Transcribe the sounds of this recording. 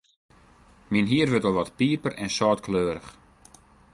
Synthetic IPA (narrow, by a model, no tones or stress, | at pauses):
minɦiərʋøtɔlˠʋɔtpiəpərɛnsɔːtkʰløːɾəx